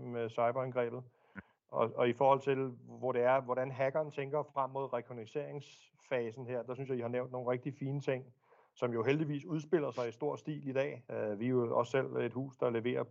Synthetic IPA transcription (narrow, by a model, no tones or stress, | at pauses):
sɑ̈ɪb̥ɐænɡ̥ʁɛ̰ːb̥ð̩ˠ | ɒɒ̽ifɒːhɒ̽l̰t͡sʰe̝lʋɒɾe̝æɐʋɒɾænɦæɡ̥ɐːnt͡sʰeŋɡ̥ɐfʁam̰ːo̝ð̞̰ˠʁɛkʰoneise̝ɐ̰e̝ŋs | fɛːsn̩ɦeɐ̰d̥ɑ̈syns̬jɑ̈ihɑ̈neʊnd̥no̝ːnʁeɡ̥̚d̥ifiːnət͡sʰe̝ŋ̰ | sɒ̽mjo̝ɦeld̥iʋḭːsuð̞ˠsb̥e̝l̰ɐsɑ̈ɪisd̥o̝ɐ̰sd̥ḭːlid̥ɛ̰ːʋioɒ̽sːel̰e̝d̥hṵːsd̥ɑ̈le̝ʋe̝̰ːɐ